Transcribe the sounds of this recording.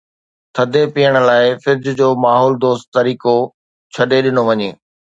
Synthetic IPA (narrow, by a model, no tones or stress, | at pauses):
t̪ʰɐd̪ʱepijəɽ̃̆laːɪfɪɾd͡ʑd͡ʑoːmaːɦoːld̪oːst̪t̪ɐɾiːko | t͡ɕʰɐɗeɗɪnoʋɐɲeː